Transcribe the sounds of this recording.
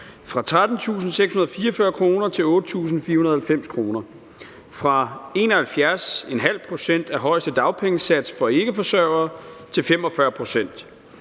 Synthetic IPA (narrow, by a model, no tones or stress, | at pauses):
fʁɑ̈t͡sʰʁad̥n̩t͡sʰṵːsn̩seɡ̥shunɐð̩ˠfiːɐɒfɶɐkʰʁo̝ːnɐt͡sʰe̝lɔ̽ːd̥ət͡sʰṵːs̬n̩fiːɐhunɐð̩ˠhælfem̰skʰʁo̝ːnɐ | fʁɑ̈e̝ːnɒhælfjæɐsenɦæl̰pʰʁo̝sen̰d̥æɐɦɒ̽ɪsd̥əd̥ɑ̈ʊpʰeŋəsæd̥sfɒ̽e̝ɡ̥əfɒ̽sɶɐʊɐːt͡sʰe̝lfem̰ɒ̽fɶɐpʰʁo̝sen̰d̥